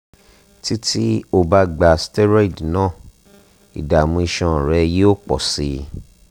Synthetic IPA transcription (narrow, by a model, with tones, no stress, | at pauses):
ti˦ti˦o˧ba˧˦ɡ͡ba˨stɛ˦ɾa˦i˦˨dnãː˦˨ | ḭ˨da˨mũ˧i˧ʃɔ̃˧˨ɾɛ˧je˦o˦k͡pɔ̰˨si˧